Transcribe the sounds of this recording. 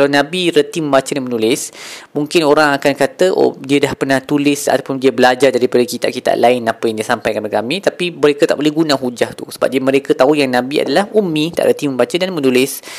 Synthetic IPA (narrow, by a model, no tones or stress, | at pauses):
kkalawnãbiɾət̪imə̃mbat͡ʃədanmənulɪsmuŋkɪnoɾaŋakankat̪əʔo̰diədahpərnaht̪ulɪsa̰t̪apʊndiəbəlad͡ʒardaɾipadəkit̪a̰ʔkit̪a̰ʔlaɪnapəjaŋdiəsampajkanəkamĩt̪apiməɾekət̪a̰ʔbəlɛhɡunãɦud͡ʒaht̪usəba̰p̚diəməɾekət̪aujaŋnãbia̰dalahumĩt̪a̰ʔɾət̪imə̃mbat͡ʃədanmə̃nulɪs